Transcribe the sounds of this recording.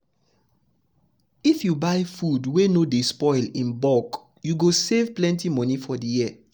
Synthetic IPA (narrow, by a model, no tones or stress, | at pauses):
ifjubaɪfudwenodespɔɪlĩnbɔk | juɡosevplɛ̃ntimɔnifɔdijiɛ